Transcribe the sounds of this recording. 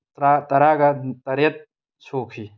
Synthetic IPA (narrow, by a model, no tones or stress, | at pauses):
ɾat̪ɐɾaːɡat̪ɐɾjɐt̪̚ | t͡ʃʰoːkʰi